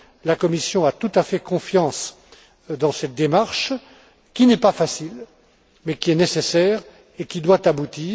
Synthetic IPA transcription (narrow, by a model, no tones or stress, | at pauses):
lakɔmisjɔ̃at̪ut̪afɛkɔ̃fjɑ̃s | d̪ɑ̃sɛt̪̚d̪emaʁʃ | kʲinɛpafasil | mɛkʲiɛnesesɛːʁ | ekʲid̪wat̪abut̪iː